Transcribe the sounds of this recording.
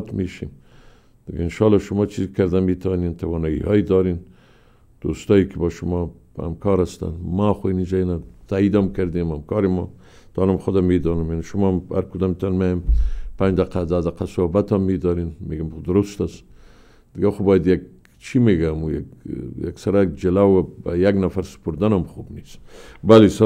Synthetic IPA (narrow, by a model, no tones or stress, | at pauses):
t̪meʃḭm | d̪̥ɪɡaɪnʃɑlɑʃʊmɑt͡ʃʰizkaɾd̪amet̪ʰawnent̪awɑnɑḭhɑjd̪ɑɾen | d̪̥o̰st̪ɑjkɪbɔʃʊmɑ | ha̰mkɑɾast̪a̰nmaxoinid͡ʒanat̪ʰaid̪ɔmkaɾd̪emamkɑɾɪmɔ | t̪ɑnamxʊd̪amed̪ɑnumjaniʃʊmɑmha̰ɾkud̪ɑmt̪anmajampand͡ʒd̪aqad̪ad̪aqasʊhbat̪ɔmːed̪ɑɾinmeɡamʊd̪ʊɾʊst̪as | d̪̥ɪɡaxobɑjad̪jaɡ̚ | t͡ʃʰimeɡamuja̰ja̰ksaɾad͡ʒɪlawabajaɡnafaɾsɪ̥poɾd̪anɔmxubnisbalesa